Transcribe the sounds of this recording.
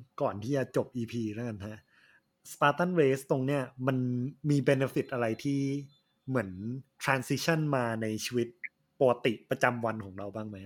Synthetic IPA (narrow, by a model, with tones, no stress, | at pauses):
kɔː˨˩nt̪ʰiː˥˩t͡ɕa˧t͡ɕo˨˩p̚ʔiː˧pʰiː˧ɾa˥˩ka˧nha˦˥ʔ | spaː˧t̪a˥˩nweː˦˥st̪o˧ŋni˦˥˩ɐma˧nmiː˧be˧ne˧˥fi˨˩t̪̚ʔa˧ɾa˧jt̪ʰiː˥˩ | mɯ˩˦ə˦nt̪ʰɾaː˧nsi˦˥t͡ɕʰa˥˩nmaː˧na˧jt͡ɕʰi˧wi˦˥t̪̚ | poː˧a˧t̪i˨˩ʔpɾa˧t͡ɕa˧mwa˧nkʰɔː˩˦ŋɾa˧wbaː˥˩ŋma˦˥j